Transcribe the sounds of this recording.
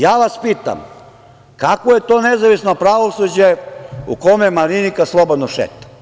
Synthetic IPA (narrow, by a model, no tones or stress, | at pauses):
jaːʋaspiːt̪a̰m | kakʋoje̞t̪oːnezaʋisnopɾaʋosud͡ʑeṵkomemalinikaslˠobod̪noʃḛt̪ḁ